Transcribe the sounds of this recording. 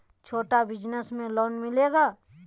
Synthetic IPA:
t͡ʃʰoːʈabɪd͡ʒnəsmẽloːnmɪleːɡaː

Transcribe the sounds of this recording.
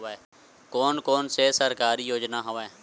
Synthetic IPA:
eː | koːnkoːnsesəɾkaːɾiːjoːd͡ʒnaːɦoʋeː

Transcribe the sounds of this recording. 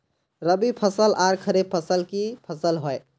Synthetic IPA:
ɾəbipʰəsəlʔaɾkʰəɾeb̚pʰəsəlkipʰəsəlɦoj

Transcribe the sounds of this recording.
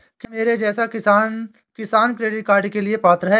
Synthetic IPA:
kimeːɾed͡ʒɛːsakɪsaːn | kɪsaːnkɾeːɖɪʈ̚kaːɾɖkeliepaːt̪ɾɦɛː

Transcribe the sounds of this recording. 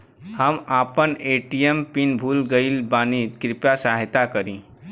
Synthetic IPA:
həmapəneʈijempinbʱulɡəɪlbanit̪kɾipjasaɦt̪akəɾĩ

